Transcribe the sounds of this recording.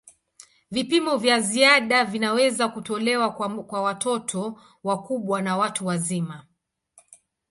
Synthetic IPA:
vipimɔvjaziaɗavinawɛzakutɔlɛwakwawatʰɔtʰɔ | wakuɓwanawatuwazima

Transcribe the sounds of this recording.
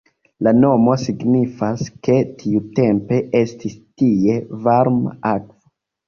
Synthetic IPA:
lano̞mo̞siɡnifaske̞tʰiute̞mpe̞ʔe̞stistie̞vaɾma̰akvo

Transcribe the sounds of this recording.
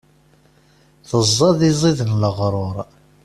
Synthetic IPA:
θəzˤːɑðizˤiðənləʁɾˤoɾˤ

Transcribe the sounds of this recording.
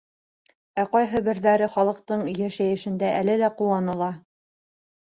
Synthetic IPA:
æqɑjɦɤbɘ̆ɾðæɾɘχɑlˠɤ̆qt̪ɤɴjæʃæjɘ̆ʃɘ̆nd̪æʔælɘlæqulˠːɑnɤ̆lˠɑ

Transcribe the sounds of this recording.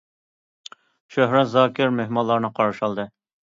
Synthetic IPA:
ʃøɦɾɛt̪zɑːkʲɪɾmehmɑlːˠɑɾnɨqʰɑɾɑʃɑlˠd̪ɨ

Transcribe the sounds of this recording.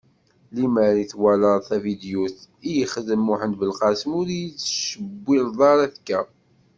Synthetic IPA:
liməɾiθwæləɾˤθævid̪juθ | ijəχəðəmːuħənd̪bəlqæsəmʊɾijit͡sːʃəbːilðˤɑɾˤæθkːæ

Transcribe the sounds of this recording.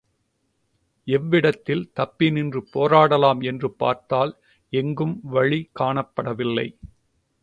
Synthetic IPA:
ɛʋːɪɽɐt̪ːɪlt̪ɐpːɪnɪndrɯpoːɾaːɽɐlaːmɛndrɯpːa̰ːɾt̪aːl | ɛŋɡɯmʋɐɻikaːɳɐpːɐɽɐʋɪlːɐ̰ɪ

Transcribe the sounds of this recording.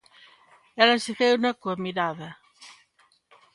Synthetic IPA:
ɛlɐseθewnakuamiɾaðɐ

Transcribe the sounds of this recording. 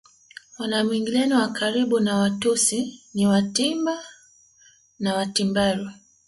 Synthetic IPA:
wanamwiŋɡilɛniwakaɾiɓunawatusiniwatimba | nawatimbaɾu

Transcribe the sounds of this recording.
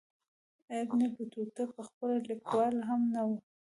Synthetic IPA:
abnebət̪ut̪apəxpəlalɪkwɑlɦamnawu

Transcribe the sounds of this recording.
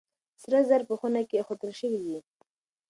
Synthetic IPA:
sɾazaɾpəxunakexot̪əlʃəwid̪i

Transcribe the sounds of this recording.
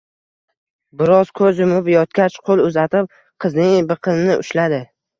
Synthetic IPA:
bɪɾɒz̥kʰɵzʊmʊpjɒt̪̚kʲat͡ʃqʰolˠʊzat̪ɪp̚ | qʰɨznɪŋbɨqʰɨnnɪʔʊ̰ʃlad̪ɪ

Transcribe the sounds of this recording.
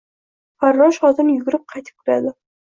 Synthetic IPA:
faɾːɒʃχɒzɪmjʊɡʲʊɾɪp̚qʰɑjt̪ʰɪ̥p̚kʰʊɾa̰d̪ɪ

